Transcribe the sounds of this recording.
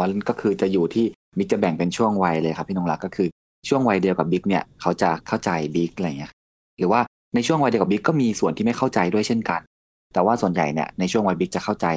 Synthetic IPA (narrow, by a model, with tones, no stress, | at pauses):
n˥kɔː˥˩kʰɯː˧t͡ɕa˨˩juː˨˩t̪ʰiː˥˩ | bi˦˥k̚t͡ɕa˨˩bɛ˨˩ŋpe˧nt͡ɕʰu˥˩əŋwa˧jlɤː˧jkʰa˦˥pʰːiː˥˩nɔː˧ŋla˦˥kːɔː˥˩kʰɯː˧ | t͡ɕʰu˥˩əŋwa˧jdi˧əwka˨˩bi˦˥k̚ni˥˩ɐkʰa˦˥wt͡ɕa˨˩kʰa˥˩wt͡ɕa˧jbi˦˥k̚ːŋi˦˥kʰa˦˥ | ɾɯː˩˦waː˥˩ | na˧jt͡ɕʰu˥˩əŋa˧jdi˧wka˨˩bi˦˥kːɔː˥˩miː˧su˨˩ənt̪iː˥˩ma˥˩jkʰa˥˩wt͡ɕa˧jdu˥˩əjt͡ɕʰe˥˩nka˧n | t̪ɛː˨˩waː˥˩su˨˩ənja̰˨˩jni˥˩ɐna˧jt͡ɕʰu˥˩əŋwa˧jbi˦˥k̚t͡ɕa˨˩kʰa˥˩wt͡ɕa˧j